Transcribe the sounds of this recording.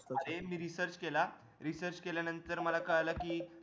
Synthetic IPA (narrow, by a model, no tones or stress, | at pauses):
t̪emiːɾisəɾt͡ɕkela | ɾisəɾt͡ɕkeljanənt̪əɾməlakəɭlakiː